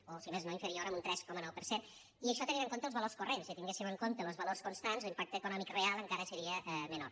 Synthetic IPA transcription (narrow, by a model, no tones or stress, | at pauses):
osimeznoiɱfəɾioɾəmunt̪ɾɛskɔmənɔwpəɾsen | iəʃɔt̪əniɾəŋkont̪əlˠzβəlorskurensit̪iŋɡesiməŋkont̪ələzβəlorskunst̪anzlimpak̚t̪əkunɔmikrealˠəŋkaɾəsəɾiəʔɛmənor